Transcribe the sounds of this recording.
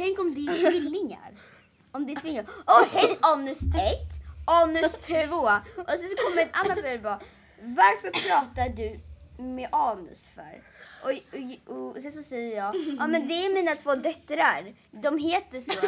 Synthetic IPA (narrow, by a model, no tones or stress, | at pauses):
t̪ʰɛŋkɔmd̪ɛæɾt̪vɪlːɪŋa̰ɾ | ɔmd̪ɛæt̪vɪlːaɔhɛjɑːnɵsɛt̪ːʔɑːnɵst̪ʰvoːʔɔsɛnsɔkʰɔmːəɾɛnʔa̰nːanfœbɑː | vaɾfœɾpʰɾɑːt̪aɖɵmɛʔɑːnɵ̰sfœ̰ɾ | ɔɔsɛns̬ɔsɛjːəɾjɑːɡʔɑːmɛnd̪ɛæɾmiːnat̪ʰv̥oːd̪œt̪ːɾaɾ | d̪ɔmɦeːt̪əʂɔ